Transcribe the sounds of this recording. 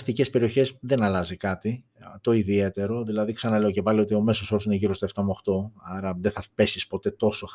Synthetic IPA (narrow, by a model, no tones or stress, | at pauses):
st̪ice̞spe̞ɾio̞çe̞sðe̞nɐlɐzikɐt̪i | t̪o̞iðie̞t̪e̞ɾo̞ðilɐðiksɐnɐle̞oce̞pɐlio̞t̪io̞me̞so̞soɾsuneʝiɾo̞st̪oeft̪ɐmuoxt̪o̞ɐɾɐðeθɐpe̞sispo̞t̪e̞t̪o̞so